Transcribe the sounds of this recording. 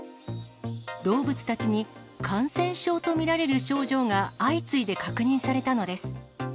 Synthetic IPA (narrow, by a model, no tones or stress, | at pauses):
d̪o̞ːbɯ̟t͡sɨ̥t̪at͡ɕiɲ̟i | kʰãɰ̃sẽ̞ɰ̃ɕo̞ːt̪o̞mʲiɾaɾe̞ɾɯ̟ɕo̞ːʑo̞ːŋaːit͡sɨid̪e̞kakɯ̟ɲ̟ĩɰ̃saɾe̞t̪ano̞d̪e̞sɨ̥